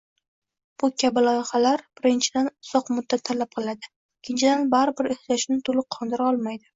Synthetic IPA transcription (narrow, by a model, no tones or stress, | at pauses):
b̥ʊkʲʰabɪlɒjɪχalaɾb̥ɪɾɪnt͡ʃʰɪd̪anʊsɒqmʊd̪ːat̪ʰːalap̚qʰɨlˠad̪ɪ | kʲʰːɪnt͡ʃʰɪd̪anbaɾɪbɪɾɪht͡ʃaʃnɪt̪ʰolɪqʰɒnd̪ɪɾaɒlˠmajd̪ɪ